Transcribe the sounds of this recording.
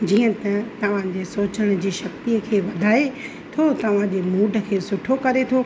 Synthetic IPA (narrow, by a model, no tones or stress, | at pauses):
d͡ʑiːə̃t̪ɐt̪ɐʋ̤ãd͡ʑesoːt͡ɕəɽ̃d͡ʑiːʃɐkt̪ijəkʰeːʋɐd̪ʱaːe | t̪ʰot̪ɐʋ̤ãd͡ʑeːmuːɖʱə̆kʰeːsʊʈʰokɐɾet̪ʰo